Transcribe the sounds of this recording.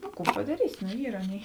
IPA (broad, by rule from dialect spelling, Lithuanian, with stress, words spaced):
nʊ ˈkuː pɐdɐˈrʲiːsʲɪ noː ˈiːr ˈɑːˌnʲeːɪ